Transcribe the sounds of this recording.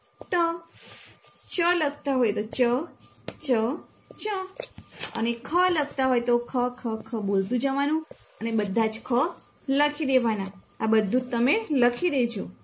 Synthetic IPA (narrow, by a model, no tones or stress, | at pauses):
ʈə | t͡ʃələɡ̚ʱt̪aɦojt̪ot͡ʃə | t͡ʃə | t͡ʃə | ə̰nekʰələɡ̚ʱt̪aɦojt̪okʰəkʰəkʰəbolt̪ũd͡ʒəʋanũ | ənebəd̪ʱːad͡ʒkʰə | ləkʰid̪eʋana | abəd̪ʱːũt̪ːəmeləkʰid̪et͡ʃʰo